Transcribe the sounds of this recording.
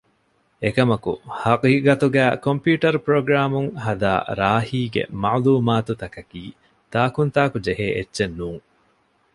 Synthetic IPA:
ekɐmɐkṵhɐqiːɡɐt̪uɡæːkompjuːʈɐɾupɾoɡɾaːmuŋhɐd̪a̰ːɾaːhiːɡḛmɐʕluːmaːt̪ut̪ɐkɐkiː | t̪aːkunt̪aːkud͡ʒeɦeːʔetːʃenːuːŋ

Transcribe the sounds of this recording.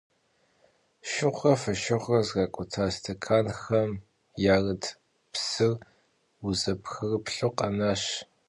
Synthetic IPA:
ʃɪʁʷɐfɐʃɐʁʷɐzɣaːkʷʼʊtʰaːstʰɐkʰaːnxɐm | jaːrɨtʰ | psɨr | uzɐpʰxɨrɨpɬoqɐnaːɕ

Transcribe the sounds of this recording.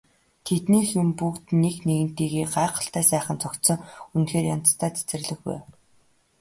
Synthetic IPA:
t̪ʰet̪niːxjʊmpukt̪nekneɣɘ̆n̥t̪iːɣeːɢaːqə̆ɬt̪æːsæːχə̆nt͡sɔkt̪sɞ̆ŋunxeːrjant̪st̪ʰæːt͡sʰæ̥t͡sɘ̆rɮɘ̆xwæ̰ː

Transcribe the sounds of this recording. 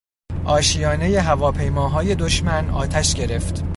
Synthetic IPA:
ʔɒːʃijɒːne̞je̞ɦævɒːpʰe̞jmɒːɦɒːje̞d̪o̞ʃmænɒ̰ːt̪ʰæʃɟe̞ɾe̞ft̪

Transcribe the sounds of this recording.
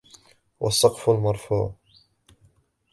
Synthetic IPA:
wʔɑ̰sˤːɑqfʊlmɑɾˤfṵːʕ

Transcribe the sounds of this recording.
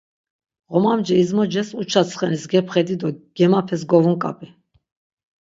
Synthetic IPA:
ʁɔmamd͡ʒɛizmɔd͡ʒɛsut͡ʃʰat͡sʰχɛnisɡɛpʰχɛd̪id̪ɔɡ̥ɛmapʰɛs̬ɡɔvunkʼa̰pʼi

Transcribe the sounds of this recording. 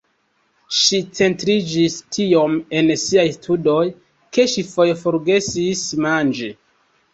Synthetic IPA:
ʃit͡se̞ntɾid͡ʒistʰio̞me̞nsiajstʰudo̞j | ke̞ʃifo̞jfo̞ɾɡe̞sismand͡ʒe

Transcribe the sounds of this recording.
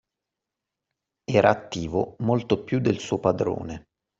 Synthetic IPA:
ɛːɾʔaːt̪ːiːvomolt̪opjud̪ːelsuːopad̪ɾo̰ːne

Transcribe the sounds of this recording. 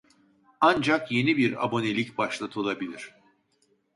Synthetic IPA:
and͡ʒakje̞nibiɾa̰bo̞ne̞lʲicʲbaʃlˠat̪ʰɯlˠabilʲiɾ̥

